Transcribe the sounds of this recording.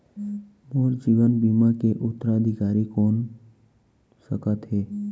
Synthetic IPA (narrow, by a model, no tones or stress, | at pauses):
moːɾd͡ʒiːʋənbiːmakeʔʊt̪ːəɾaəd̪ʱɪkaːɾikɔːn | səkət̪ɦeː